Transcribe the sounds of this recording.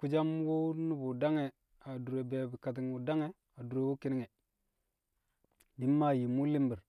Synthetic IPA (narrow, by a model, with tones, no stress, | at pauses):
ku˦d͡ʒa˦mwu˦nu˦bu˨da˦ŋe˨ | a˨du˨ɾe˨be˨bi˨ka˨t̬i˨ŋwu˨da˦ŋe˨ | a˨du˨ɾe˨wu˦ki˦ni˦ŋe˨ | di˨˦mːa˦ji˨mu˦li˦mbi˨ɾ